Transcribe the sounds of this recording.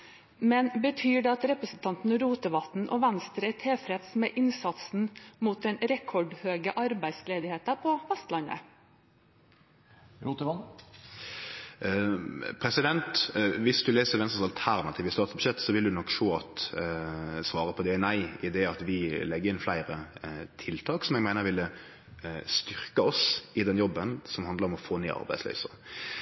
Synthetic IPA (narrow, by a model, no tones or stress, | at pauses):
mɛnbət̪ʰyːɖɛɑt̪ɾɛpɾəsn̩t̪ʰɑnt̪n̩ɾuːt̪əʋɑt̪n̩ʔɔʋænst̪ɾəæt̪ʰeːfɾɛt̪smɛːʔɪnsɑt̪sn̩muːt̪̚d̪ɛnɾɛkʰɔɖhøːɡəʔɑɾbæɪsleːd̪ɪheːt̪əpʰɔfɛst̪lɑnə̰ | ɾuːt̪əʋɑn | pʰʁɛsɪd̪ɛnt̪ʋɪsd̪ʉleːsəʋɛnsnsɑlt̪ʰæʁnɑt̪ʰiːʋəst̪ɑːt̪sbʉ̥ʃɛt̪ːsɔʋɪld̪ʉnɔkːʂoːɑt̪ | sʋɑːɾəpʰɔd̪ɛnæɪɪd̪ɛɑt̪ʋɪlɛɡːəɪnflæɪɾət̪ʰɪlt̪ʰɑːksɔmɛɡmæɪnəʁʋɪlːə | st̪ʏʁkəɔsɪd̪ɛnjɔbːənsɔmhɑnd̪ləɾɔmɔfoːnḛːʔɑ̰ɾbæɪslœ̰ːsə